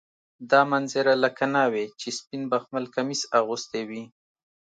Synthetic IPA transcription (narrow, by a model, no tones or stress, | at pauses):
d̪ɑmanzɪɾalakanɑwet͡ʃespinbaxmalkamisaɣust̪ewi